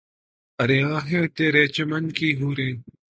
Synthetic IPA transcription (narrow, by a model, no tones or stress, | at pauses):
ɐɾeːãːɦẽt̪eːɾeːt͡ʃɐmɐnkiːɦuːɾẽː